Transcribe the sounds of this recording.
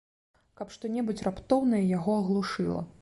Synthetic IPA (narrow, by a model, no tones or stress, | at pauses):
kapʂt̪ɔnʲɛbut͡sʲrapt̪ɔwnɐjɐjaɣɔɐɣlˠuʂɨ̰lˠɐ̰